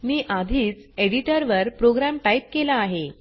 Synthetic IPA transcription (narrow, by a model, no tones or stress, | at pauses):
miːʔad̪ʱiːt͡seɽiʈəɾʋəɾpɾoɡɾamʈajp̚kelaːɦe